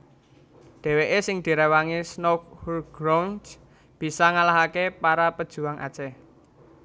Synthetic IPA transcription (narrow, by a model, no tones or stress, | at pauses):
ɖ̥e̤weʔesɪŋd̪̥i̤ɾewaŋisnok̚hurɡ̥ɾans | b̥i̤saŋalaɦakepaɾapəd̥ʒ̥ṳwaŋʔa̰d̥t͡ʃɛ